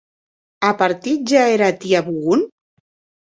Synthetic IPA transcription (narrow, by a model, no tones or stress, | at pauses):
apaɾt̪it̪̚ʒaeɾat̪iaβuɣun